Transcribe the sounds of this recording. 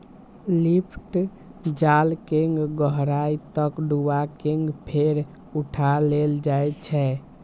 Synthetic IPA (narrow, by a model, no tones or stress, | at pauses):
lipʰʈ | d͡ʒalkeŋɡɡəɦɾait̪əkɖuakeŋɡpʰeɾ | uʈʰaleld͡ʒajt͡ʃʰɛ